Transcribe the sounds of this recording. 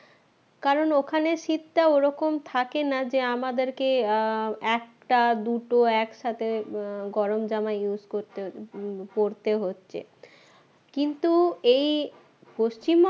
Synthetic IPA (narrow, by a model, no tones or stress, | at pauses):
kaɾonokʰaneʃit̪ːaoɾɔkomt̪ʰakenad͡ʑeamad̪eɾke | ɛk̚ʈad̪uʈoɛkʃat̪ʰeɡɔɾomd͡ʑamaejuzkoɾt̪epoɾt̪eɦotːɕʰḛ | kint̪uej | poʃt͡ɕim